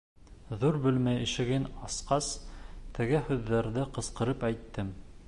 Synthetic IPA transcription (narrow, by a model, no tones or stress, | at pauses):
ðuɾbɵ̆lmæjɘ̆ʃɘ̆ɡɘnɑsqɑst̪ʰɘ̆ɡɘhʉðːæɾðɘqɤ̆sqɤ̆ɾɤpæjt̪ːɘm